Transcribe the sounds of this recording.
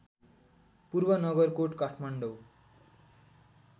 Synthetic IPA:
purbʌnʌɡʌrkoʈkaʈʰmaɳɖow

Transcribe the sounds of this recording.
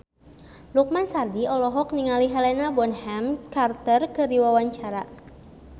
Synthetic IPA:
luk̚mansardiɔlɔɦɔk̚niŋaliɦɛlɛnabɔnhɛmkart̪ərkɨrdiwawaɲt͡ʃaɾa

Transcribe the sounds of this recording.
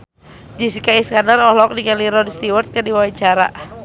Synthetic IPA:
d͡ʒisikaiskanarɔhlɔk̚nikaliɾɔdst̪iwart̪̚kɨrdiwawaɲt͡ʃaɾa̰

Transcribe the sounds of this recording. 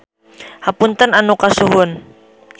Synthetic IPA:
hapunt̪ənanukasuɦʊn

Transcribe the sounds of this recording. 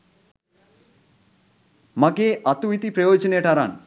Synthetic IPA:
makeːʔɐt̪uit̪ipɾɐjoːd͡ʒɐneːʈaɾa̰ːn

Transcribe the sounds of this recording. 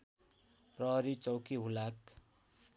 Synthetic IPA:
prʌɦʌɾit͡sʌwkiɦulak

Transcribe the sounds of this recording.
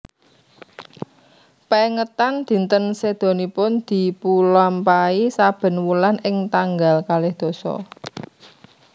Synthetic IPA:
peŋət̪and̪̥i̤nt̪ənsed̪̥o̤nipʊnd̪̥i̤pulampaisab̥ə̤nwulanɪŋt̪aŋɡalkalɪhd̪̥o̤sɔ̰

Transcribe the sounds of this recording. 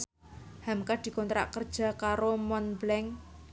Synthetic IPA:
hamkad̪̥i̤kɔnt̪ɾa̰ʔkərd̥ʒ̥a̤kaɾomɔnblɛŋ

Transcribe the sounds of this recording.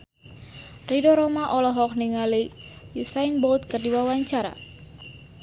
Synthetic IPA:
ridɔɾɔmaʔɔlɔɦɔk̚niŋalijusainbɔlt̪̚kərdiwawaɲt͡ʃaɾa̰

